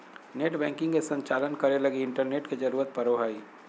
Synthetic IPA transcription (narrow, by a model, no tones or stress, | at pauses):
neːʈbɛ̃ːŋkɪ̃ŋɡkesə̃ɲt͡ʃaːlənkəɾeləɡiɪ̃ɳʈəɾneːʈked͡ʒəɾuːɾət̪̚pəɾoɦaːi